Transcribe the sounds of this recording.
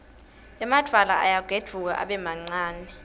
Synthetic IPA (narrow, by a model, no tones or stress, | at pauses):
ɛmad̥ʱala̰ʔajaɡ̥ʱed̥ʒ̥ʱuk̬a̰ʔa̰ɓɛmaŋ͡ǀaːnɛ